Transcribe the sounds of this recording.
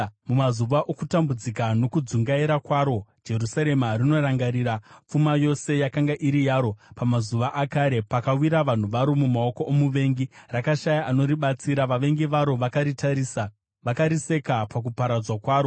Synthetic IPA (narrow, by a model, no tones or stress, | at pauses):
mumazuʋaʔokutambud͡zikano̞kud͡zuŋɡaiɾakwaɾo̞d͡ʒe̞rusaɾe̞marino̞raŋɡaɾiːɾap͡fumajo̞se̞jakaŋɡaʔiɾijaːɾo̞pamazuʋaʔakaːɾe̞pakawiɾaʋan̤uʋaɾo̞mumao̞ko̞ʔomuʋe̞ŋɡirakaʃajaʔano̞ɾiɓat͡siɾaʋaʋe̞ŋɡiʋaɾo̞ʋai | ʋakaɾise̞kapak̬upaɾad͡zwakwaːɾo̞